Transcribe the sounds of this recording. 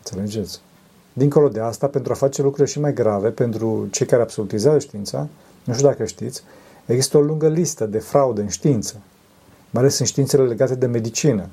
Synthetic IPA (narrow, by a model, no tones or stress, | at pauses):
nt̪se̞le̞d͡ʒe̞t̪sʲ | d̪iŋkolo̞d̪e̞ast̪ape̞nt̪ɾuafat͡ʃe̞lukɾuleʃimajɡɾave̞pe̞nt̪ɾut͡ʃe̞jkaɾeabso̞lut̪izeazəʃt̪iint̪sa̰ | nuʃt̪ʲud̪akəʃt̪it̪sʲ | eɡzist̪əo̞luŋɡəlist̪əd̪e̞fɾaud̪əɨnʃt̪iint̪sə | majale̞sɨnʃt̪int̪sele̞le̞ɡat̪e̞d̪e̞me̞d̪it͡ʃinə